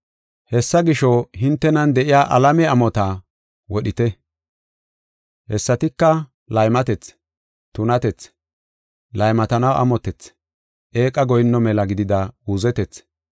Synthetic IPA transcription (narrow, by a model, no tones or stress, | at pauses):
hɛsːɐɡɪʃɔɦɪnt̪ːɛnɐnd̪ɛʔɪjaːʔɐlɐmɛɐmɔt̪a | wɔɗɪt̪ɛ | hɛsːɐt̪ɪkːɐ | lɐjmɐt̪ɛt͡s | t̪ʊnɐt̪ɛt͡s | lɐjmɐt̪ɐnɐwʔɐ̰mɔt̪ɛt͡s | ʔe̞ːkʼɐɡɔjɪnːɔmɛlɐɡɪd̪ɪd̪ɐuːzɛt̪ɛt͡s